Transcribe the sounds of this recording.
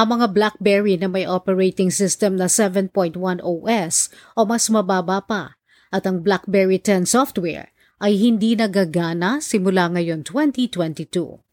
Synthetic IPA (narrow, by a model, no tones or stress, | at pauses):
ʔɐŋmɐŋablak̚bɛɹinɐmɐjʔopɛɹejt̪ɪŋsɪst̪ɛmnɐsɛvɛnpojnt̪̚wãnʔowʔɛsʔomɐsmɐbaːbapɐ | ʔɐt̪ɐŋblak̚bɛɹit̪ɛnsɔft̪wɛ̰ɹ | ʔɐjɦɪnd̪inɐɡaɡaːnɐsɪmʊlaŋɐjo̞nt̪wɛnt̪it̪wɛnt̪it̪ṵ